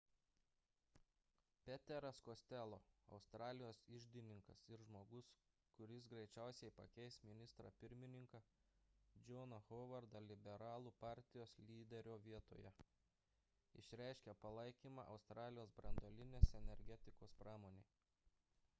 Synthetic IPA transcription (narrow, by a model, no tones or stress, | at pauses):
pʲɛt̪ʲɛɾɐskosʲt̪ʲɛlˠoːɐ̰ʊst̪ɾɑːlʲɪjoːsɪʒʲd̪ʲɪnʲɪŋkɐsɪɾʒmoːɡʊs | kʊɾʲɪsɡɾɐɪt͡ʃʲæˑʊsʲɛɪpɐ̰kʲɛɪsmʲɪnʲɪst̪ɾɑpʲɪɾʲmʲɪnʲɪŋkɑ | d͡ʒʲonɐɣɔʋɐɾd̪ɐlʲɪbʲɛɾɑːlˠupɑˑɾʲt̪ʲɪjoːslʲiːd̪ʲɛɾʲoːʋʲiɛt̪o̰ːjɛ | ɪ̰ʃʲɾʲæˑɪʃʲkʲɛpɐlˠɐɪkʲiːmɑ̰ːʔɐʊst̪ɾɑːlʲɪjoːsbɾɐnd̪oːlʲɪnʲeːsɛnʲɛɾʲɡʲɛt̪ʲɪkoːspɾɑːmoːnʲeː